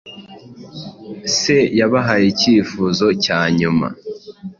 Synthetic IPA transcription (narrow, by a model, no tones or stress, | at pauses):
sejaβaɦajeciːfuːzo̞caːɲuma̰